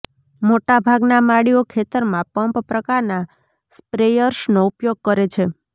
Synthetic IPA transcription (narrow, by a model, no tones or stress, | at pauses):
moʈabʱaɡnamaɽiokʰet̪əɾmãpəmppɾəkaɾna | spɾejəɾʃnoupjoɡ̚kəɾet͡ʃʰe